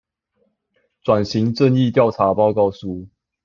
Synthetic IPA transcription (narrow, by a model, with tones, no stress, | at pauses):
t͡swa˨˩nɕi˨˥ŋʈ͡ʂə˥˧ni˥˧t̪jɑ˥˩ʊʈ͡ʂʰa˨˥pɑ˥˧ʊkɑ˥˧ʊsu˥˩